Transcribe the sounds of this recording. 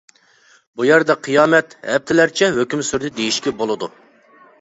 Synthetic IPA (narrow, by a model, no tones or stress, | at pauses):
bujɛɾd̪ɛqʰɨjɑːmɛt̪hɛp̚t̪ʰɪlæɾt͡ʃʰɛɦøkʲymsyɾd̪ɪd̪ejiʃkʲɛbolˠɨd̪u